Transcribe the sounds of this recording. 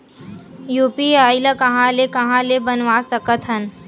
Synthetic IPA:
juːpiaːɪlakɐɦãːlekɐɦãːlebənʋaːsɐkət̪ɦɐn

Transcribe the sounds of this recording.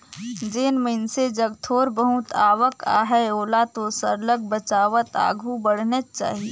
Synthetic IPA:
d͡ʒeːnməɪnsed͡ʒəɡt̪ʰoːɾbəɦʊt̪ʰaːʋəka̰ːɦɛoːlat̪osəɾləɡ̚bət͡ʃaːʋət̪a̰ːɡʱubəɽ̤nət͡ʃa̰ːɦie

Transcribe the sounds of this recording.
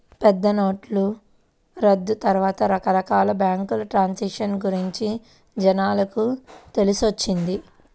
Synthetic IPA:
pɛd̪ːɐnoːʈlu | ɾɐd̪ːut̪ɐɾuʋaːt̪ɐɾɐkɐɾɐkaːlɐbjaːŋkulɐʈɾaːnsiʂɐnɡuɾiɲt͡ʃi | d͡ʒɛnaːlɐkut̪e̞lisot͡ʃːind̪i

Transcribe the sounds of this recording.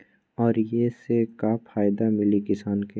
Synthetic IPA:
ɔːɾjesekapʰaːjd̪amɪlikɪsaːnke

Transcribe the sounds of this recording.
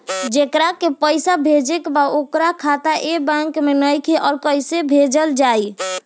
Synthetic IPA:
d͡ʒekɾakepəjsabʱed͡ʒekbaokɾakʰat̪aʔebãŋkmenəjkʰeʔɔːɾkəjsebʱed͡ʒəld͡ʒaj

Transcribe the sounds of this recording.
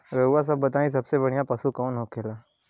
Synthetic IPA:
ɾəuʋas̬əbːət̪aːĩs̬ɐbsebəɽ̃ijapəsukɔːnɦoːkʰelaː

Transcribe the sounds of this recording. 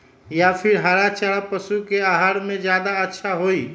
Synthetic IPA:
japʰɪɾɦaɾat͡ʃaɾapəsukeaɦaːɾmẽd͡ʒjaːd̪aətːʃʰaɦoi

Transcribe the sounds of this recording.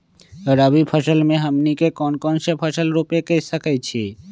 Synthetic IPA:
ɾəbipʰəsəlmẽɦəmnikekɔnkɔnʃepʰəsəlɾopekesəkət͡ʃʰi

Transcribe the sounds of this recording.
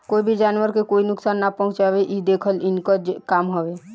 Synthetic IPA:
koibʱid͡ʒanəɾkekoinʊksaːnːapɔ̃ɦũt͡ʃabeʔid̪ekʰəlinkɔd͡ʒkamɦɔbe

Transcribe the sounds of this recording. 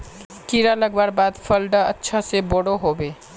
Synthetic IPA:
kiɾaləɡbaːɾbaːd̪fʰəlɖaətːʃʰaseboɽoɦoːbeː

